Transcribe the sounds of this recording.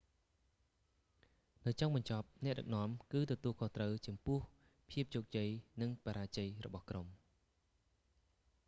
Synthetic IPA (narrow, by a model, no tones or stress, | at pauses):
nɨwt͡ɕoŋɓɑɲt͡ɕɑp̚nɛ̆əʔɗɨk̚nŏəmkɨːt̪ɔt̪uəlkʰoht̪rəwt͡ɕɑmpʊəh | pʰiəp̚t͡ɕoːk̚t͡ɕəjnɨŋpaɾaːt͡ɕəjrɔ̰ɓɑhkrom